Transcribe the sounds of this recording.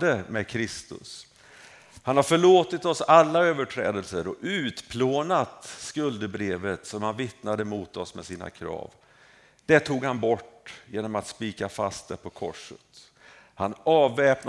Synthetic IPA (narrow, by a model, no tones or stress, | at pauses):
d̪əmɛkʰɾɪst̪ɵ̰s | hanhaɾfœɭoːt̪ɪt̪ɔsalːaøːvəʈʰɾɛ̰ːd̪əlsəɾɔʉ̟ːt̪pʰloːnat̪skɵld̪əbɾeːvət̪sɔmhanvɪt̪nad̪əmʊːt̪ɔsmɛsiːna̰kʰɾɑ̰ːv | d̪̥ɛʈʰuːɡhanbɔʈːjeːnɔmat̪spiːkafa̰st̪̚d̪ɛpʰɔkʰɔ̰ʂːə̰t̪ | hanɑːvːɛːpn